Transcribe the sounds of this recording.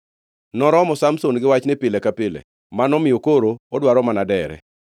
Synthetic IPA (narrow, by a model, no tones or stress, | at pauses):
nɔɾɔmɔsamsonɡɪwat͡ʃnɛpɪlɛkapɪlɛ̰ | manɔmɪjokoɾoɔdwaɾɔmanadɛɾɛ̰